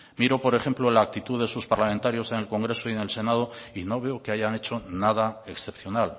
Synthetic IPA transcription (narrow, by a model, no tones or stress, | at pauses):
miɾo̞po̞ɾe̞xe̞mplolaːk̚t̪it̪uðe̞suspaɾlament̪aɾjo̞se̞ne̞lko̞ŋɡɾe̞soienelse̞nað̞o̞ino̞β̞e̞oke̞aʝane̞t͡ʃo̞nað̞ae̞ksθe̞pθjo̞nal